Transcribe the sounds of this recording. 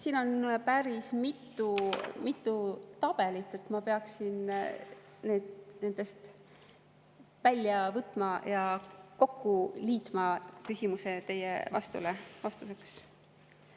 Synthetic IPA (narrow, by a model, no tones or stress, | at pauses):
siːno̞npæɾismit̪ːˑumit̪ːˑut̪ɑb̥e̞lit̪ːˑe̞t̪mɑpe̞ɑksin | ne̞ːd̪̥ne̞nd̪̥e̞st̪ | vælʲjɑvɤt̪ːˑmɑjɑko̞kːuliːt̪mɑkysʲimuse̞t̪e̞jḛvɑ̰st̪ṵlevɑst̪use̞ks